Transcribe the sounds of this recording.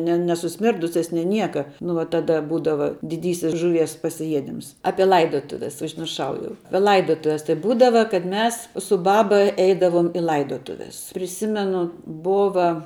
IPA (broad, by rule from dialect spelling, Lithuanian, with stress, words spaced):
nʲɛ nʲɛsʊˈsʲmʲɪrdʊsʲɛs nʲeː ˈnʲiɛkɐ nʊ ʋɐ tɐˈdɐ ˈbuːdɐʋɐ dʲɪˈdʲiːsʲɪs ʒʊˈʋʲiɛs pɐsʲɪˈjiɛdʲɪms ˈɑːpʲiɛ ˈlˠɐɪdoːtʊʋʲɛs ʊʒʲmʲɪrˈʃɐʊ jɛʊ ˈɑːpʲiɛ ˈlˠɐɪdoːtʊʋʲɛs tɐɪ ˈbuːdɐʋɐ kɐt ˈmʲɛs sʊ ˈbɑːbɐ ˈɛɪdɐʋoːm ɪ ˈlˠɐɪdoːtʊʋʲɛs pʲrʲɪˈsʲɪmʲɛnʊ ˈboːʋɐ